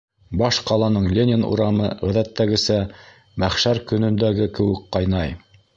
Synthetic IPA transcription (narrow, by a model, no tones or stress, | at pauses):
bɑʃqɑlˠɑnɤɴlʲenʲɪnṵɾɑmɤʁæðæt̪ːæɡɘ̆sæ | mæχʃæɾkɵ̆nɵ̆nd̪æɡɘkɘ̆wɘkqɑjnɑj